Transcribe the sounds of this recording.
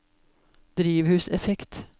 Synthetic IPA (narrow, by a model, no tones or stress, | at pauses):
d̪̥ɾiːʋhʉːsɛfɛkt̪